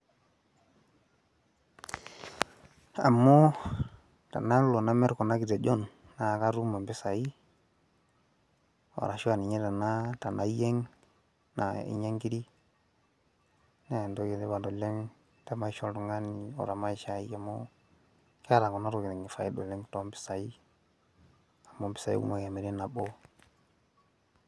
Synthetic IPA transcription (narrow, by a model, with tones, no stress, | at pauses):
a̰˨mːo˦ | ta̰˨na˦lo˨na˦me˦ɾko˨na˦ɡi˨de˨d͡ʒo˦nː | a˨ka˦ɾu˦ma˨mbe˦sa˨i˦ | o̰˨ɾa˨ʃu˦a˨ni˨ɲe˦ta˨na˦ta˨na˨˦je˦ŋ | na̰˨ḭ˨ɲe˦ŋɡi˦ɾi˦ | ne˦˨ndo˦ɡi˨de˦ba˨do˨le˦ŋ | ta˦ma˦i˦ʃo˦ldu˨ŋa˦ni˨o̰˨ɾa˨ma˦i˨ʃa˨i˦a˨mo̰˦ | ke˦a˦ɾa˨ɡɔ˨na˦ɾo˨ɡi˨nɛ˨ŋɡi˨fa˨i˦do̰˨lɛ˦ŋtɔ˦mbi̥˦sa˨i˦ | a˨mo˨˦mbi̥˦sa˨jḭ˦ṵ˦ma˨ka˨mi˨ɾi˦na˨bo˦